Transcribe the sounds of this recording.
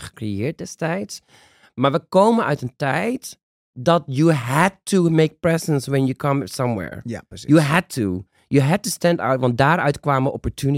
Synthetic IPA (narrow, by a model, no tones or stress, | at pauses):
χə̥krijɪːɹt̚dɛstɛjts | maːɹʋəkowmə̃nœ̰ɥtə̃ntɛjt | dɑtjuɦɛd̚tʰumeɪk̚pɹɛzə̃nswɛ̃njukʰʌ̃msʌ̃mwɛ̰ɹjuɦɛd̚tʰu | juɦɛd̚tustɛ̃nda̰wtʋɑ̃nt̚daːɹœɥtkwaːməʔɔpɔɹtʰuni